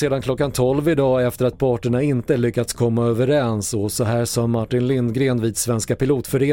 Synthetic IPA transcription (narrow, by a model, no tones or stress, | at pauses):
seːd̪anklɔkːant̪ʰɔlvɪd̪ɑːɛft̪əɾat̪̚pʰɑːʈəɳaɪnt̪əɭʏkːat̪skʰɔmːaøːvəɾɛnsɔsɔɦæːsɔːmaʈːɪnlɪnd̪ɡɾeːnviːd̪svɛnskapɪluːt̪fœɾeː